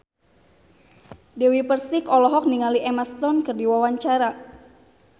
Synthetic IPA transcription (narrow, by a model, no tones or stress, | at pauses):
dɛwipərsikɔlɔɦɔk̚niŋaliʔɛmast̪ɔnkɨrdiwawaɲt͡ʃaɾa